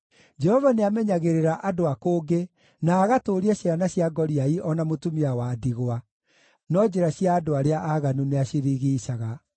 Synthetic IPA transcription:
d͡ʒɛhɔvaneamɛɲaɣeɾeɾaʔadoakoːɡe | naːɣatoːɾiaɕianaɕiaɡɔɾiaiʔɔnamotumiawadiɣwa | nɔd͡ʑeɾaɕiaːdoaɾeaʔaɣanuneaɕiɾiɣiːʃaɣa

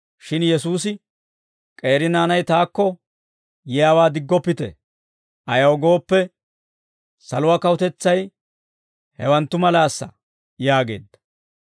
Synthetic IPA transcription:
ʃɪnjɛsuːs̬ɪ | kʼe̞ːɾɪnaːnɐjt̪aːkːɔ | jɛjaːwaːd̪ɪɡːɔpːɪt̪ɛ̰ | ʔɐjɐwɔɡo̞ːpːɛ | sɐlʊwɐkɐwʊt̪ɛt͡sːɐj | hɛwɐnt̪ːʊmɐlaːsːɐ̰ | jaːɡe̞̰ːd̪ːɐ̥

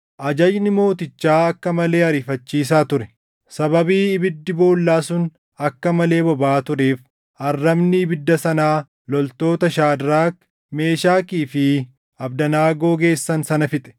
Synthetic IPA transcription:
ʔɐd͡ʒɐd͡ʒnɪmo̞ːt̪ɪt͡ʃːaːɐkːɐmɐle̞ːɐɾɪfɐt͡ʃːiːs̬aːt̪ʊɾɛ̥ | sɐβɐbiːɪbɪd̪ːɪbo̞ːlːaːsʊn | ɐkːɐmɐle̞ːbɔbaːt̪ʊɾeːf | ɐrːɐbnɪːbɪd̪ːɐsɐnaː | lɔlt̪o̞ːt̪ɐʃaːd̪ɾaːk | me̞ːʃaːkiːfɪ | ɐbd̪ɐnaːɡo̞ːɡe̞ːsːɐnsɐnɐfɪt̪ʼɛ̥

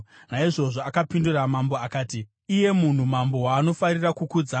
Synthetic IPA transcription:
naiʐo̞ʐoakapinduramamboakaːtiː | je̞mun̤umambo̞waːno̞farirakukud͡za

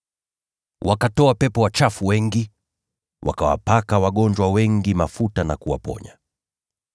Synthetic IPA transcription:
wʔakatɔapɛpɔwat͡ʃafuwɛŋɡi | wʔa̰kawa̰pakawaɠɔnd͡ʒwawɛŋɡimafutanakuwapɔ̰ɲa̰

